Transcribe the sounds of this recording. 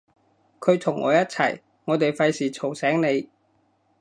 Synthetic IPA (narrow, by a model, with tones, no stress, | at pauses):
kʰɵ˨˧ɥt̪ʰʊ˨˩ŋːʔɔ̰ː˨˧jɐ˥t̚t͡sʰɐ̰˨˩j | ŋɔː˨˧t̪e˨jfɐ˧jsiː˨t͡sʰo˨˩wsɛː˨˥ŋne˨˧j